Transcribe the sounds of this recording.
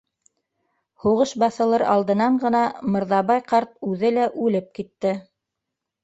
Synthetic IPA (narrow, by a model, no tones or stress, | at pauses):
huʁɤʃbɑθɤ̆lˠɤɾɑ̰lˠd̪ɤ̆nɑɴɢɤ̆nɑmɤ̆ɾðɑβɑjqɑɾt̪̚ʉðɘlæʔʉlɘp̚kit̪ːɘ